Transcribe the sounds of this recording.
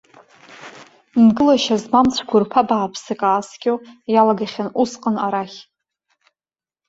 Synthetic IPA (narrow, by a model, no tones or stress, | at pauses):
nɡɨlaʃazmamt͡sʷʰɡʷʊrpʰabaːpʰsɨkʼaːskʲojalaɡaχʲanusqʼənaɾaχʲ